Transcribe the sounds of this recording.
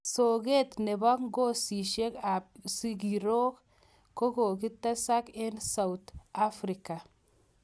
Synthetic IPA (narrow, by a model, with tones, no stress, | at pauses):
so˨ɡe˦t̪ne˨ba˦kŋɡo˦si˨ʃe˦ka˨p̚si˦ɡiɾo˦k | ko˦ɡo˨ɡi˦t̪ːa˦sa˦ke˦nsa˨wt̪a˦fɾi˨ka˨